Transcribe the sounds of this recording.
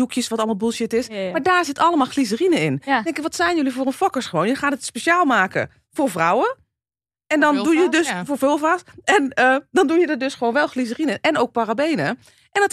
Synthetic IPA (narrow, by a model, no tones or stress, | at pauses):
dukjəsʋɔtɑlˠmalˠbulˠʃjɪtɪsmaːɹdaːɹzɪtɑləmaːlˠxlizərinəɪndɛŋkɪkʋɔtsɛjnjølivoːrənfɔkəsχəʋoːnjəxaːdətspeʃaːlˠmaːkə̰ | foːɹvrɔwə | ɛndɔndujədøsfoːfølˠfaːsɛnədɔndujədɔdøsχəʋoːnʋɛlˠxliz̬ərinəəʔɛnoːk̚parabejnə | ʔɛnt